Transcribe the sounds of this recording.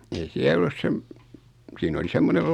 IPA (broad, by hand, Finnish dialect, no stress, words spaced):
ei siæl ŏlːus sem siːn oli semːonel